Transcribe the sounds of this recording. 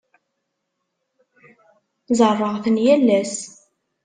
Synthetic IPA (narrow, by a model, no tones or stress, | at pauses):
zərˤːəʁθənjælːæs